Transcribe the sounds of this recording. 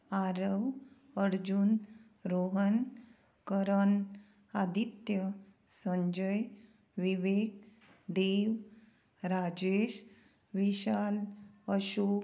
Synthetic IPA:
aɾəʋ | əɾd͡ʑun | ɾoɦən | kəɾən | ad̪it̪jə | sə̃ɲd͡ʑəj | ʋiʋek | d̪eʋ | ɾad͡ʑeɕ | ʋiɕaləɕu

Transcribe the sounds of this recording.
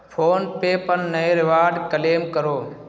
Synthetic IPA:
pʰoːnpeːpənːəeɾɪʋaːɖkəleːmkəɾoː

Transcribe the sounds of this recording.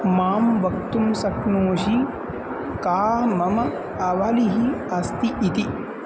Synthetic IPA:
maːmʋɐk̚t̪umsɐknoːʃi | kaːmɐmɐ | ɐʋaliɦiɐst̪iʔːt̪i

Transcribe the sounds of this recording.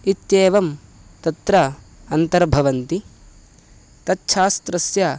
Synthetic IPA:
it̪jeːʋɐm | t̪ɐt̪ɾɐ | ɐnt̪ɐɾbʱɐʋɐnt̪i | t̪ɐtːʃʰaːst̪ɾɐsjɐ

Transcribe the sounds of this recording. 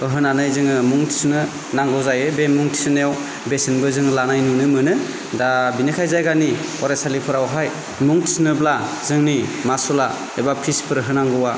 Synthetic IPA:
ɯɦɯnanɯjzɯŋɯmuŋtʰi̥snɯ | naŋɡɯwzajɯbemuŋtʰi̥sɯnejaw | besinbɯzɯŋlanajnunɯmɯnɯ | dabinɯkʰajzajɡaniɔɾasalipʰɯɾawɦaj | muŋtʰisnɯblazɯŋnimasɔla | ebapʰispʰɯɾɦɯnaŋɡɯwa

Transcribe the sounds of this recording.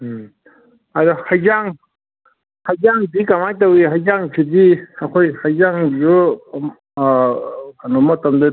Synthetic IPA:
aɾɔhajzaŋ | hajzaŋdikamajt̬awiɦajzaŋpʰidiakʰojhajzaŋju | kanɔmɐtamdɯ

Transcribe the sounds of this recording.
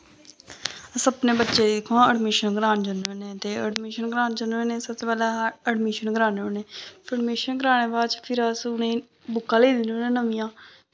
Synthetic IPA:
əsəpnẽːbətːʃeːd̪idɪkʰːõːəɖmiːʃənɡɾaːnd͡ʒənʋeːneːt̪eːəɖmiːʃənɡɾaːnd͡ʒənẽːneːsəb̚t̪eːpɛːleəɖmiːʃənɡɾaːneːoneːpʰəɽmiːʃənɡɾaːñeːbaːt͡ʃpʰɪɾəsʊnẽː | bʊkːãːleːd̪noːnẽːnəmĩjãː

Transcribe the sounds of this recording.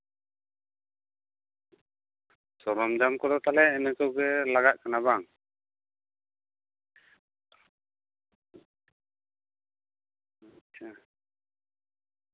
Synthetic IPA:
sɔɾɔmd͡ʒamkɔd̪ɔt̪alɛɛnɛkɔɡɛlaɡaʔkanabaŋ | aa

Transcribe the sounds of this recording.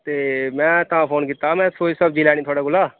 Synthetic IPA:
t̪eːmɛ̃ːt̪əɦãpʰoːnkɪt̪amɛ̃ːsʰoːisəbd͡ʒilɛːnit̪ʰoːɽaɡʊlaː

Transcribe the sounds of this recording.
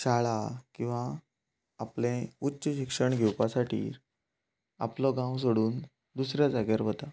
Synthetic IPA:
t͡ɕaɭakĩw̃ʋãː | plẽutːɕəɕikʂəɳɡʱewpasaʈʰḭː | a̰plɔɡãws̬oɽuːn | d̪usɾjad͡zaɡjaɾʋət̪a

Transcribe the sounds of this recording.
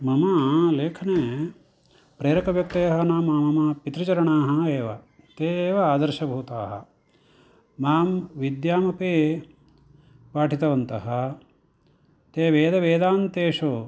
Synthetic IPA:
mɐmɐleːkʰɐneː | pɾeːɾɐkɐʋjɐk̚t̪eːɐɦɐnaːmaːmɐmɐpit̪ɾɐt͡ʃɐɾɐɳaːɦɐ̆eːʋɐ | t̪eːʋɐaːd̪ɐɾʃɐbʱuːt̪aːɦɐ̰ | maːmʋid̪jaːmɐpeː | paːʈʰit̪ɐʋɐnt̪ɐɦɐ̆ | t̪eːʋeːd̪ɐʋeːd̪aːnt̪eːʂo

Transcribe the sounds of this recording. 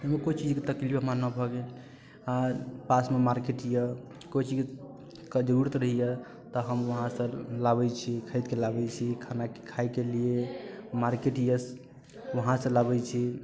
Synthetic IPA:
ɦəmekot͡ʃid͡ʒket̪əklibəmanabʱɔɡel | apasmemaɾkeʈijə | kojt͡ʃid͡ʒk | kəd͡ʒəuɾut̪ɾəɦijɛ | t̪ɔɦəmʋəɦãsə̃labɛt͡ʃʰikʰəɪt̪̚kelabɛt͡ʃʰikʰanakekʰajkeliemaɾkeʈijəs | ʋəɦãsə̃labɛt͡ʃʰi

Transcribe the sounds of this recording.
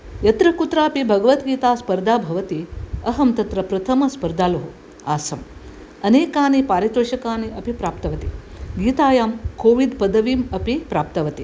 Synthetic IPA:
jɐt̪ɾɐkut̪ɾaːɐpibʱɐɡɐʋɐt̪ɡiːt̪aːspɐɾd̪ʱaːbʱɐʋɐt̪iɐɦɐmt̪ɐt̪ɾɐpɾɐt̪ʰɐmɐspɐɾd̪ʱaːlɐɦu | aːsɐm | ɐneːkaːnipaːɾit̪ɐʃɐkaːniɐpipɾaːp̚t̪ɐʋɐt̪iɡiːt̪aːjaːmkoːʋid̪pɐd̪ɐʋiːmɐpipɾaːp̚t̪ɐʋɐt̪i

